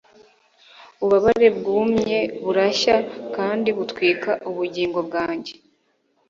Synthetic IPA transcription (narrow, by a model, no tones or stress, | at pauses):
uβaβaɾe̞bɡuːmɲe̞βuɾaʃakaːndiβutwiːkaʔuβuɾɟiːŋɡo̞bɡaːɲɟe̥